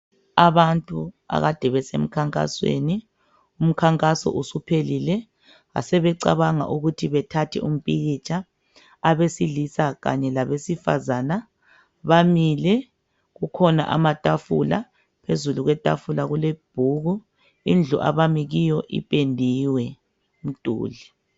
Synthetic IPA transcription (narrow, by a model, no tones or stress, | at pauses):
aβantʼu | a̰ɣad̥ʱɛβɛsḛm̩kʰaŋkʼa̰swḛni | um̩kʰaŋkʼasɔ̰ʔusupʰelilɛ | ɣa̰sɛβɛǀa̰βaŋa̰ʔuɣutʰiβɛtʰatʰɛ̰um̩pʼiɣit͡ʃʰʼaː | βesilisaɣa̰ɲɛlaβesifa̰zana | βamilɛ | ɣukʰɔna̰ʔa̰matʼafṵla̰ | pʰezuluɣwɛtʼa̰fulaɣuleb̥ʱuɣu | ind͡ɮʱuʔa̰βamiɣijɔʔḭpʼendʱiwɛ | m̩tʼṵːli